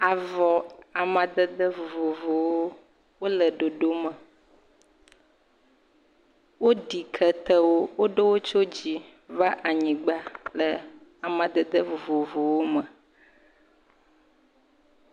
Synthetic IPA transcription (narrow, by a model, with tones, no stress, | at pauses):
a˨vɔ˨a˨mã˨d̪ə˦d̪ə˦vo˨vo˨vo˨wo˦ | wo˦lə˨ɖo˨ɖo˦mə˨ | wo˦ɖi˨kʰə˦t̪ə˦wo˦wo˦ɖe˦wo˦t͡ʃo˦d͡ʑi˨ | va˦ʔa˨ɲĩ˨ɡ͡ba˦lə˨ | a˨mã˨d̪ə˦d̪ə˦vo˨vo˨vo˨wo˦mə˨